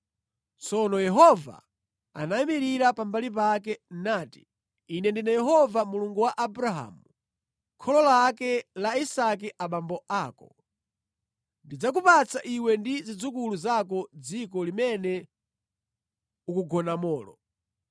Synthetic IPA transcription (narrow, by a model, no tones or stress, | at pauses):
t͡sɔnɔjɛɦɔva̰ | a̰naimiɾiɾapambalip̬akɛnaːti̥ː | nɛndinajɛɦɔvamuluŋɡuwaʔabuɾaɦa̰ːmu | kʰɔlɔlakɛlaisak̬ɛʔaɓambɔʔaːkɔ | ndid͡zak̬upat͡saʔiwɛndizid͡zukuluzak̬ɔd͡zikɔlimɛnɛ | ukuɡɔnamɔːlɔ̰